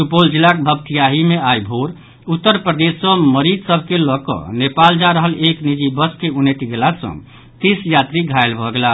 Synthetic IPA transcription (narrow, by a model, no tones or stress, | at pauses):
supold͡ʒilak̚bʱəb̚t̪ijaɦimeajbʱoɾ | ut̪ːəɾpɾəd̪esə̃məɾid͡ʒsəbʱkelɔkɔ̰nepald͡ʒaɾəɦəleknid͡ʒibəskeunet̪iɡelasə̰̃ | t̪isjat̪ɾiɡʱaelbʱɔɡela